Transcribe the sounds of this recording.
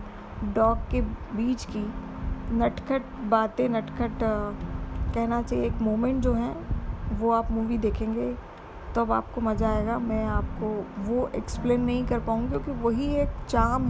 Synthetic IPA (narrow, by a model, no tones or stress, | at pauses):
ɖɔːkːebiːt͡ʃkinɐʈkəʈbaːt̪ẽnɐʈkəʈ | kɛɦnat͡ʃaːieːkmoːmẽɳʈ̚d͡ʒoːɦɛ̃ʋoaːpmuːʋid̪eːkʰẽːŋɡe | t̪oɐba̰ːp̚komɐd͡ʒaːeːɡamɛ̃ːaːpkoʋoʔekspleːnːɐɦĩkɐɾpaːũŋɡkjõːkiʋɐɦieːkt͡ʃaːm